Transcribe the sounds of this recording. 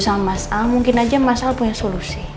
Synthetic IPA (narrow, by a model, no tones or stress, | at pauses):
salmasalmuŋkɪnad͡ʒamasalpuɲasolusi